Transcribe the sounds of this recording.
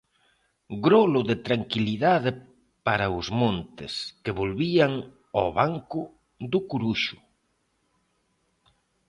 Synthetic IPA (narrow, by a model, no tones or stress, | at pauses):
ɡɾolʊðɪt̪ɾaŋkiliðaðɪ | paɾɐʊzmõnt̪ɪ̰skeβolβiaŋ | oβaŋkʊ | ðʊkuɾuʃʊ̥